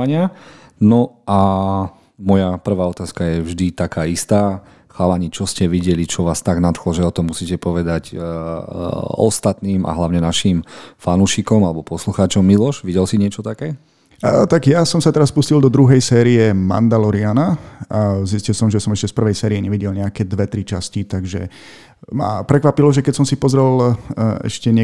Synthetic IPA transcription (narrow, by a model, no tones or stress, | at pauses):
ɲɪa | nɔʔa | mɔjapr̩ʋaːɔt̪aːskajɛvʒd̪it̪akaːist̪aː | xalaɲit͡ʃɔscɛʋiɟɛlit͡ʃɔʋaːst̪aɡnat̪xlɔʒɛɔt̪ɔmːusiːcɛpɔʋɛd̪ac | ɔ̰st̪at̪niːma̰ɦlaʊɲɛnaʃimfanuːʃikɔmalɛbɔpɔsluxaːt͡ʃɔmːilɔʃʋiɟɛlsiɲɪɛt͡ʃɔt̪akɛː | t̪aɡjasɔmsat̪ɛɾaspuscild̪ɔd̪ɾuɦɛjsɛːɾiɛma̰nd̪alɔɾianaaziscilsɔmʒɛsɔmɛʃcɛspr̩ʋɛjsɛːɾijɛɲɛʋiɟɛlɲɛakɛːd̪ʋɛt̪ɾit͡ʃascit̪aɡʒɛ̰ | ma̰pɾɛkʋapilɔʒɛkɛcsɔmsipɔzɾɛlɛ̰ʃcɛɲɛ